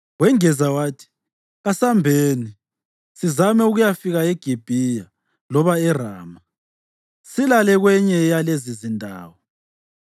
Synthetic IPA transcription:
wɛŋɛzawaːtʰi̥ | ɣasambʱeːni | sizamɛuɣujafiɣaɛɡ̥ʱib̥ʱija | lɔβaɛra̰ːma | silalɛɣwɛɲɛjalezizindʱa̰ːwɔ

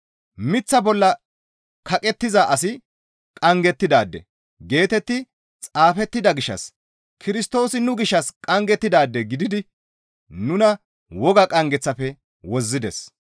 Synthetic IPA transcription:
mɪt͡sːɐbɔlːɐ | kʰɐkʼɛt̪ːɪzaʔɐsɪ | kʼɐŋɡɛt̪ːɪd̪aːd̪ːɛ̰ | ɡe̞ːt̪ɛt̪ːɪ | t͡sʼaːfɛt̪ːɪd̪ɐɡɪʃːɐ̰s | kʰɪɾɪst̪o̞ːsɪnʊɡɪʃːɐskʼɐŋɡɛt̪ːɪd̪aːd̪ːɛɡɪd̪ɪd̪ɪ | nʊnɐ | wɔɡɐkʼɐŋɡɛt͡sːɐfɛ | wɔzːɪd̪ɛs

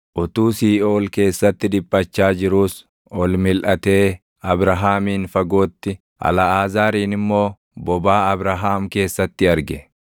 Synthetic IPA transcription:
ʔʊt̪uːsiːʔoːlke̞ːsːɐt̪ːɪd̪ɪpʼːɐt͡ʃːaːd͡ʒɪɾuːs | ɔlmɪlʔɐt̪e̞ː | ɐbɾɐɦaːmiːnfɐɡo̞ːt̪ːɪ | ʔɐ̰lɐaːzaːɾiːnɪmːo̞ː | bɔbaːɐbɾɐɦaːmke̞ːsːɐt̪ːɪɐɾɡɛ

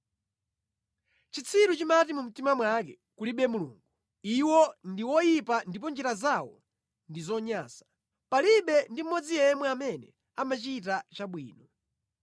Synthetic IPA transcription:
t͡ʃit͡sʰiɾut͡ʃimatimum̩timamwakɛ | kuliɓɛmulṵːŋɡu | iwɔndiwɔjipandip̬ɔnd͡ʒiɾazawɔ̰ | ndizɔɲaːsḁ | paliɓɛndim̩mɔd͡zijɛmwɛamɛnɛ | amat͡ʃitat͡ʃaɓwiːnɔ

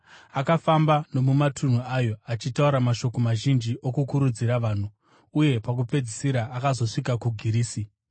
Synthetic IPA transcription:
akafambano̞mumatʰun̤uajo̞at͡ʃitauɾamaʃo̞ko̞maʒind͡ʒiʔokukuɾud͡ziɾaʋaːn̤u | uje̞pakup͡fe̞d͡zisiɾaʔːkazo̞ʂikakuɡʱiɾiːsi

